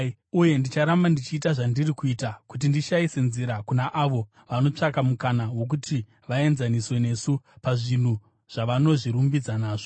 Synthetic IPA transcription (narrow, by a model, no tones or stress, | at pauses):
uje̞ndit͡ʃaɾambandit͡ʃiːtaʐandirikuiːtakut̬indiʃaise̞nziɾakunaʔaʋo̞ | ʋano̞t͡ʂakamukanawo̞k̬utʰi | ʋae̞nzaniswe̞ne̞ːsupaʐin̤u | ʐ̥aʋano̞ʐiɾumbid͡zanaːʐo